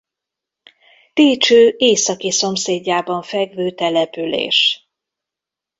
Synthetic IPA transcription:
t̪eːt͡ʃøːʔeːsɒkiso̞mseːɟːaːbɒɱfɛɡvøːt̪ɛlɛpylḛːʃ

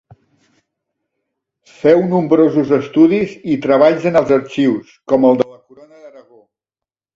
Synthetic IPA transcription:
fɛwnumbɾozuzəst̪uðizit̪ɾəβ̞aʎzənəlˠzəɾt͡ʃiwskɔməlˠd̪ələkuɾonəðəɾəɣo

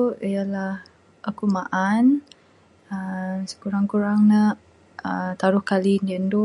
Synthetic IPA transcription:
ijalah | ʔakumaʔan | əsə̥kuɾaŋkuɾaŋnə | ət̪aɾʊhkalindiəndu

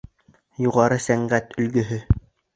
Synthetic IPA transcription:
juʁɑɾɤsæŋɢæt̪ɵ̆lɡɵ̆ɦɵ

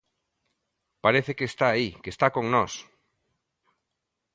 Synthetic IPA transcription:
paɾeθekeːst̪aːikest̪akoŋnɔs

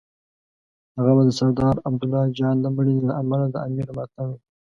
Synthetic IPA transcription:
haɣabad̪əsaɾd̪ɑɾab̚d̪ʊlːɑd͡ʒɑnləməɳinalaʔamalad̪əamiɾmat̪awi

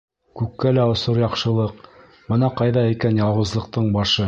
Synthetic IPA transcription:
kʉkːælæŏsoɾjɑqʃɤ̆lˠɤq̚ | b̥ɤnɑqɑjðɑikænjɑlˠwɤ̆zlˠɤ̆q̚t̪ɤɴbɑʃɤ

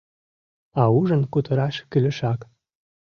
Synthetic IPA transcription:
ɑuʒənkut̪ə̆ɾɑʃkylə̆ʃɑk

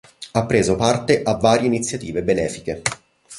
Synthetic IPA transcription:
apːɾeːzopart̪eʔavːaːɾjeinit̪sːjat̪iːvebenɛːfi̥ke

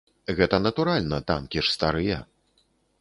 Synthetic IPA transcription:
ɣɛt̪ɐnɐt̪uɾalʲnɐt̪a̰mkʲiʂst̪aɾɨjɐ

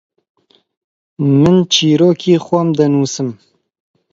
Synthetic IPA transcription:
mɨnt͡ʃʰiːɾoːkʰiːxʷɐmd̪ɐnuːsɨm

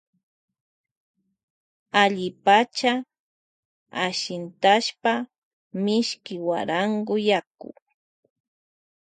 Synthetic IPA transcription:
aʎɪpat͡ʃa | aʃɪnt̪aʃpa | mɪʃkɪwa̰ɾaŋɡʊjakʊ̰

